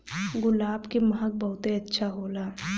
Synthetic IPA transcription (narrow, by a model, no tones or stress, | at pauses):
ɡʊlaːbkemɐɦək̚bɐɦʊt̪eɐtːʃʰaɦoːlaː